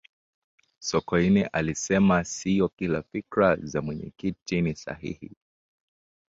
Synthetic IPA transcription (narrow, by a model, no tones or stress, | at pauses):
sɔkɔiniʔalisɛmasijɔkila̰fikɾazamwɛɲɛ̰kitinisa̰hḭhḭ